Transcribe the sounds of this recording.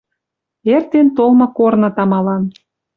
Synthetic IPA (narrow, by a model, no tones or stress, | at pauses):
ert̪ent̪olmɤ̆kornɤ̆t̪ɑmɑlɑn